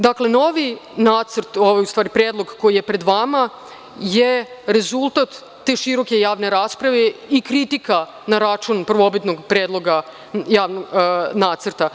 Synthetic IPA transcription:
d̪akle̞no̞ʋinaːt̪sɾt̪oʋajust̪ʋaːɾipɾeːd̪lˠo̞ɡko̞jije̞pɾe̞d̪ʋama | jeɾe̞zulˠt̪at̪ː | eːʃiɾo̞ke̞jaːʋne̞ɾaːspɾaʋeikɾit̪ika | naɾat͡ʃunpr̩ʋo̞bit̪no̞ɡpɾeːd̪lˠo̞ɡa | jaːʋnoɡnaːt̪səɾt̪a

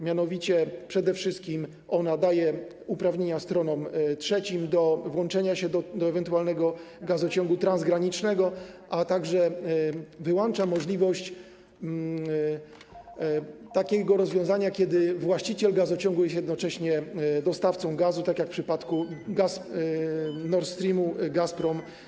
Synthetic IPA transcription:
mʲjanɔvʲit͡ɕɛpʂɛd̪ɛfʂɘst̪̚kʲim | ɔnad̪ajɛ | upɾavɲeɲast̪ɾɔnɔmtʂɛt͡ɕimd̪ɔvwɔnt͡ʂɛɲaɕɛd̪ɔd̪ɔɛvɛnt̪ualnɛɡɔ | ɡazɔt͡ɕɔŋɡut̪ɾãnzɡɾaɲit͡ʂnɛɡɔʔat̪aɡʐɛ | vɘwɔnt͡ʂamɔʐlʲivɔɕt͡ɕ | t̪akʲɛɡɔɾɔzvʲjɔ̃zaɲakʲjɛd̪ɘvwaɕt͡ɕit͡ɕɛlɡazɔt͡ɕɔŋɡujɛst̪jɛd̪nɔt͡ʂɛɕɲɛd̪ɔst̪aft̪sɔ̃w̃ɡazut̪akʲjakfpʂɘpat̪kuɡas | nɔɾt̪st̪ɾʲimuɡaspɾɔm

